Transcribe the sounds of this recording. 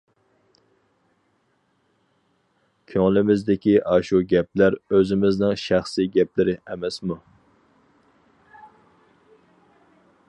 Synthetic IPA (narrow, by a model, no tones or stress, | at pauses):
kʲʰøŋlɪmɪzd̪ɪkʲiʔɑʃuɡʲɛp̚læɾøzɪmɪznɪŋʃæχsiɡʲɛplɪɾɪʔɛmɛsmu